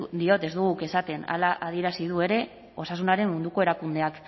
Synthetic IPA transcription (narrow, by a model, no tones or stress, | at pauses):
d̪io̞t̪e̞zd̪uɣ̞uke̞sat̪e̞na̰laʔað̞ie̞ɾasiðue̞ɾe̞ | o̞sasunaɾe̞mmund̪uko̞e̞ɾakund̪e̞ak